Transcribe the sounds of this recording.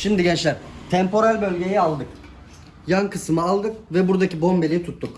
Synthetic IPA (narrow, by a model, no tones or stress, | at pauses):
ʃimd̪iɟɛnt͡ʃlʲæɾt̪ʰɛmpo̞ɾalʲbølʲɟe̞jɛalˠd̪ɯk | jankʰɯsɯmɯalˠd̪ɯk̚vɛbuɾd̪acibo̞mbe̞lʲiit̪ʰut̪ːuk